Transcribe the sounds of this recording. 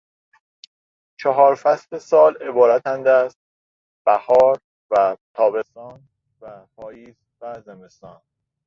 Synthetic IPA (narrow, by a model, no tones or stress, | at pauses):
t͡ʃʰɒɦɒːɾfæslesɒːle̞bɒːɾæt̪ʰænd̪æst̪̚ | b̥æhɒːɾ | væt̪ʰɒːbe̞st̪ɒːn | væpʰɒːjiːz̥ | væzeme̞st̪ɒːn